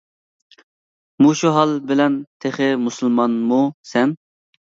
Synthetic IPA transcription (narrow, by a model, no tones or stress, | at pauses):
muʃuɦɑlˠbɪlɛnt̪ʰeχɪmusɨlˠmɑnmusɛn